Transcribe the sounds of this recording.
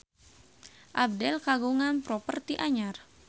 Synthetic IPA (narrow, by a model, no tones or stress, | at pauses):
ʔab̚dɛlkaɡuŋanpɾɔpərt̪iʔaɲar